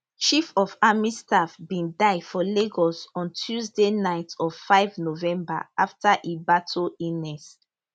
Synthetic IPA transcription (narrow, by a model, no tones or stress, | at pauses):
ʃifɔfamistafbĩndaɪfɔleɡɔsɔ̃ntʰuzdenaɪtɔfaɪvnovɛ̃mba̰aftaʔibatʰoinɛs